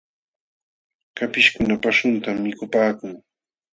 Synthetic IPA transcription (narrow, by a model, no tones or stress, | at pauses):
kapɪʃkʊnapaʃʊnt̪amːɪkʊpaːkʊŋ